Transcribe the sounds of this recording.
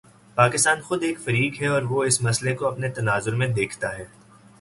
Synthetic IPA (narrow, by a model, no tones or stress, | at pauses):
paːkɪst̪aːnxʊd̪eːkfɐɾiːkɦɛɔːɾʋoɪsmɐslekoɐpnet̪ɐnaːzʊɾmẽd̪eːkʰt̪aɦɛː